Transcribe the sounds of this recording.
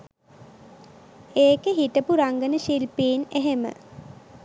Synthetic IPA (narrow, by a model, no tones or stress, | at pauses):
eːkeɦiʈəpuɾaŋɡənəʃilpiːneɦemə̰